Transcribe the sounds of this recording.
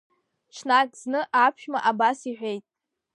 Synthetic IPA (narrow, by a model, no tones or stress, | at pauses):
t͡ʃʰnakʼznɨʔapʰʃᶣmaʔabasiħʷᶣe̞jtʼ